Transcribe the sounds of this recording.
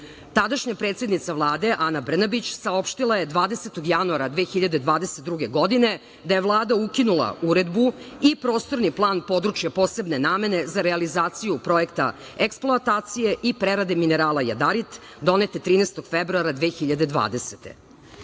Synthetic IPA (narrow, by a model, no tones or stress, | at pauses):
t̪ad̪aʃɲapɾeːt̪sʲjed̪nit̪saʋlˠaːd̪e̞ʔanabr̩nabit͡ɕsaopʃt̪ilˠaje̞d̪ʋaːd̪e̞set̪oɡjanuaɾad̪ʋeːxiʎad̪ed̪ʋaːd̪eset̪d̪ɾuɡe̞ɡo̞d̪ine̞ | d̪ajevlˠaːd̪aukinulˠa̰uɾe̞d̪buipɾo̞ːst̪oɾniplˠaːnpo̞d̪ɾut͡ʃjapo̞ːsebnenaːme̞ne̞zaɾealizaːt̪sijupɾo̞jekt̪a̰ | eksplˠoat̪aːt̪sijeʔipɾeɾad̪emineɾaːlˠaja̰d̪aɾit̪ | d̪o̞net̪et̪ɾiːnest̪o̞ɡ̥febɾuaɾad̪ʋeːxiʎad̪ed̪ʋa̰ːd̪eset̪ḛ